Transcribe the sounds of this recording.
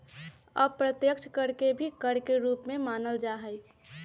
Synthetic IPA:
ɔːpɾət̪jəkt͡ʃʰkəɾkebʱikəɾkeɾuːpmẽmaːnəld͡ʒaːɦəj

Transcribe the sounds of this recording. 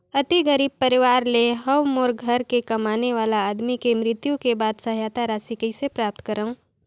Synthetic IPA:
ɐt̪iɡəɾiːb̚pɐɾɪʋaːɾleɦɐʋmoːɾɡʱɐɾkekɐmaːneʋaːlaaːd̪mikemɾɪt̪jũkebaːd̪sɐɦjaːt̪aɾaːsikəisepɾaːp̚t̪kəɾəũː

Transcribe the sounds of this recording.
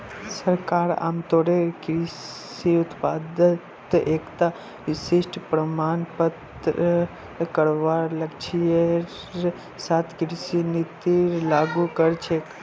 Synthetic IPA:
səɾkaːɾa̰ːmt̪oɽekɾi | iʊt̪paːd̪ət̪eːkt̪a | ʋɪsɪʃʈpɾəmaːnpət̪ | ɾə | kəɽʋaːɾləkt͡ʃʰijəɾ | sat̪ʰkɾsinit̪iɾlaːɡukəɾt͡ʃʰe

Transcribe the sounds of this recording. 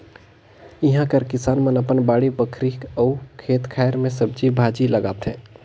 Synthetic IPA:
ɪɦãkəɾkɪsaːnmənəpənbaːɽibəkʰɾikəukʰeːt̪kʰaːjɾmẽs̬əb̚d͡ʒibʱaːd͡ʒiləɡaːt̪ɦɛ̃ː

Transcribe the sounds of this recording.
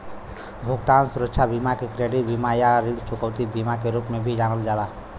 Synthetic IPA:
bʱoɡt̪ansuɾəkʃʰabʱimakekɾeɽibimajaɾiɽt͡ʃukəwt̪ibimakeɾupmebʱid͡ʒanəld͡ʒala

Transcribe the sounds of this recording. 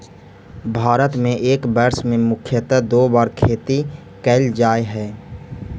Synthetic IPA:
bʱaːɾət̪mẽʔeːkbɛɾsmẽmʊkʰjət̪əd̪oːbaːɾkʰeːt̪i | kɛːld͡ʒaːeɦɛː

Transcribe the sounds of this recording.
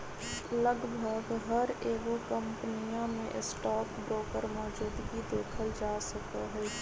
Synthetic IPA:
lɐɡbʱəɡɦɐɾeːɡokə̃mpnijãmẽʔɪsʈaːkbɾoːkəɾmɔːd͡ʒuːd̪ɡid̪eːkʰəld͡ʒaːsɐkaɦɛː

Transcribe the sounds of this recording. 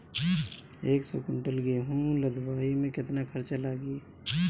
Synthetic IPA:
eːksɔkʊɳʈəlɡeɦũləd̪ʱbaːimẽkɪt̪nakʰəɾt͡ʃalaɡiː

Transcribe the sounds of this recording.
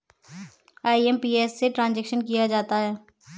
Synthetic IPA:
aːiɛmpiːɛːsːeʈɾãːnd͡ʒɛːkʃənkijad͡ʒaːt̪aɦɛː

